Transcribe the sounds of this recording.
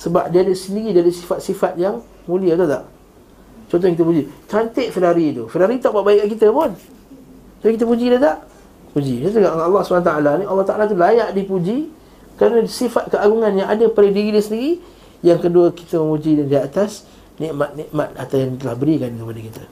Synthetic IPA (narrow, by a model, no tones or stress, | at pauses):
səba̰p̚diadəsəndiɾidaɾisifat̪̚sifat̪̚jaŋ | mũliət̪ut̪a̰ʔ | t͡ʃɔnt̪ɔhaŋkit̪əpud͡ʒit̪ant̪ɪʔfeɾaɾit̪ufeɾaɾit̪aʔbaʔbaiʔkaʔkit̪əpʊn | d͡ʒapikit̪əpud͡ʒid̪ət̪aʔ | pud͡ʒidt̪uɡaʔalːɑhsubanat̪aalanialːɑht̪aʔalat̪̬ulajaʔdipud͡ʒi | kəɾanəsifat̪̚kəaɡuŋanjaŋadəpalədiɾidiəsəndiɾi | jaŋkəduəki̥t̪əməmud͡ʒidandiat̪as | niʔmat̪̚niʔmat̪̚at̪awjaŋt̪əlahbəɾikankəpadəkit̪ə